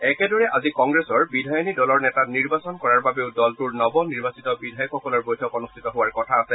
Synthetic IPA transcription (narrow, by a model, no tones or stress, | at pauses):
ɛkɛdɔɹɛʔazikɔŋɡɹɛsɔɹbidʱajɔnidɔlɔɹnɛtaniɹbasɔnkɔɹaɹbabeʊdɔltuɹnɔbɔniɹbasitɔbidʱajɔkxɔkɔlɔɹbojtʰɔkɔnustʰitɔɦʊwaɹkɔtʰaːsɛ